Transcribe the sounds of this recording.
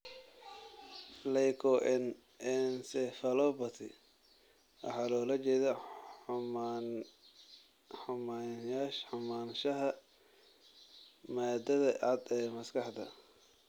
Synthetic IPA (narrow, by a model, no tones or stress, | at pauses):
lɛjkʰɔʔɛn | ɛnsɛfɐlɔːbɐt̪ʰɪ̰ | ɐ̰ħɑːlɔːlɐt͡ʃɛːðɐ | ħʊmaːjaːʃħʊmaːnʃɐɦɐ | maːd̪ɐðɐʔɑd̪ɛːmɐskɐħd̪ɐ̰